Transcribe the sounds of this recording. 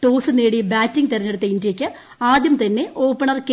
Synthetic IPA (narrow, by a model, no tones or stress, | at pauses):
ʈoːsɨneːɽibaːtːiŋɡt̪erɐɲːeɽut̪ːɐindijekʲːɨ | aːd̪jɐmt̪ɐnːe̞ʔo̞ːpːɐɳɐrke